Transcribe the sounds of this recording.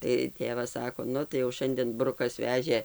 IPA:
tɐɪ ˈtʲeːʋɐs ˈsɑːkoː ˈnʊ tɐɪ jɛʊ ˈʃɐnʲdʲeːn ˈbrʊkɐs ˈʋʲæːʒʲeː

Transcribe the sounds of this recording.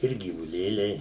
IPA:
ˈɪr ɡʲiːʋʊˈlʲeːlʲɛɪ

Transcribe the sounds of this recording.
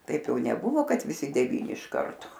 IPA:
ˈtɐɪp ˈjɛʊ nʲɛˈbʊʋoː ˈkɐt ʋʲɪˈsʲɪ dʲɛˈʋʲiːnʲɪ ɪʃ ˈkɐrtoː

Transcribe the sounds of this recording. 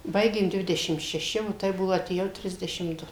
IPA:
ˈbɐɪɡʲeːm ˈdʲʋʲɪdʲɛʃʲɪm ʃʲɛˈʃʲɪ oː ˈtɐɪ ˈbʊʋoː ɐtʲeːˈjɛʊ ˈtʲrʲɪzʲdʲɛʃʲɪm ˈdʊ

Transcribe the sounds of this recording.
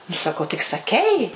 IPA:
nʊ sɐˈkɐʊ tʲɪk sɐˈkʲɛɪ

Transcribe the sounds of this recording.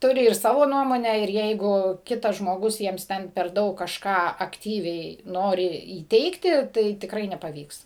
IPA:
ˈtʊrʲɪ ɪr ˈsɑːʋoː ˈnuɔmoːnʲæː ɪr ˈjɛɪɡʊ ˈkʲɪtɐs ʒmoːˈɡʊs ˈjiɛms ˈtʲɛn pʲɛr ˈdɐʊk kɐʃˈkɑː ɐkˈtʲiːʋʲɛɪ ˈnoːrʲɪ iːˈtʲɛɪktʲɪ ˈtɐɪ tʲɪkˈrɐɪ nʲɛpɐˈʋʲiːks

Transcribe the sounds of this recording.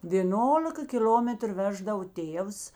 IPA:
ʋʲeːˈnoːlʲɪkɐ kʲɪˈlʲoːmʲɛtrʊ ˈʋʲæːʒdɐʋoː ˈtʲeːws

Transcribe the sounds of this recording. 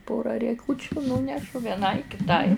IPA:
ˈpoːrɐ rʲiɛˈkuːt͡ʃʲʊ ˈnuːnʲɛʃʊ ʋʲiɛˈnɐɪ kʲɪˈtɐɪ

